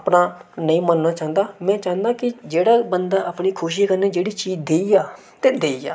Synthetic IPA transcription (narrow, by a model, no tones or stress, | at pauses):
əpnaːnəĩːmənnaːt͡ʃãːnd̪aːmɛ̃ːt͡ʃãːnd̪aːkɪd͡ʒeːɽaːbənd̪aːʔəpɳiːkʰʊːʃ̬akəɾneːd͡ʒeːɽiːt͡ʃiːd͡ʒd̪eːiːaː | t̪eːd̪eːiːa̰ː